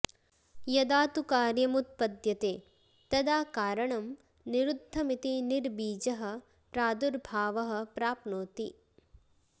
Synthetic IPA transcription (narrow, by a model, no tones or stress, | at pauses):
jɐd̪aːt̪ukaːɾjɐmut̪̚pɐd̪jɐt̪eː | t̪ɐd̪aːkaːɾɐɳɐm | niɾud̪ʱːɐmit̪iniɾbiːd͡ʒɐɦɐ̆ | pɾaːd̪uɾbʱaːʋɐɦɐ̆pɾaːpnoːt̪i